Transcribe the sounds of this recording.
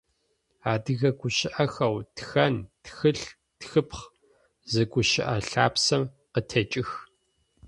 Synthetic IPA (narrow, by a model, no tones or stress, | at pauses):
aːdɨɣɐɡʷʊʃɪʔɐxɐwtxɐntxɨɬ | txɨpχ | zɐɡʷʼʊʃɪʔɐɬaːpsɐm | qətʰɐt͡ʃʼɪx